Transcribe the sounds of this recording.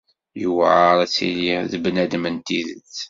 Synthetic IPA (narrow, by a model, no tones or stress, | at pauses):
jəwʕaɾˤæt͡sːḭliðəbnæd̪mənt̪iðə̰t͡s